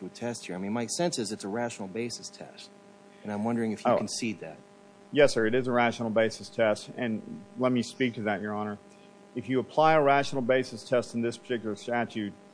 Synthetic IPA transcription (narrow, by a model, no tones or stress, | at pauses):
ɨɨtʰɛst̚hiɹaɪmĩnmaɪsɛ̃nsɨzɨtsəɹæʃn̩l̩ˠbeɪsɨstʰɛ̰st̚ | ɨ̃ñãɪ̃mwʌ̃ndə˞ɪ̃ŋɨfjɨokn̩siðæ̰t̚ | jɛsːə˞ɨɾɨzəɹæʃn̩l̩ˠbeɪsɨstʰɛstɨ̃nlɛt̚mispik̚tʰɨðɨt͡ʃə˞ɑnə˞ | ɨfjɨəpʰl̥aɪəɹæʃn̩l̩ˠbeɪsɨstʰɛstn̩ðɪspʰə̥˞tʰɪk̬jl̩ˠə˞stæt͡ʃʉt̚